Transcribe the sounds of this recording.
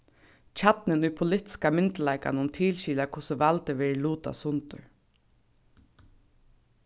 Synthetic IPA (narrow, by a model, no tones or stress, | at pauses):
t͡ʃʰat̪nɪnʊjpʰʊlɪt̪ɪ̥skamɪnt̪laɪka̰nʊmt̪ʰiːlɕiːlakʰʊsəʋalt̪əʋɛːɹluːt̪a̰sʊnt̪ʊɹ